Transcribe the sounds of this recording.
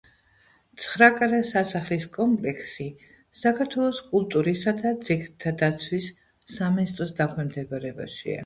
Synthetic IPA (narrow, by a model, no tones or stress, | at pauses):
t̪sʰχɾakʼaɾɛsasaχliskʼɔmpʼlɛksi | sakʰaɾt̪ʰwɛlˠɔskʼulˠt̪ʼuɾisad̪ad̪ziɡt̪ʰad̪at̪sʰwisː | aminist̪ʼɾɔsd̪akʰɛmd̪ɛbaɾɛba̰ʃḭa̰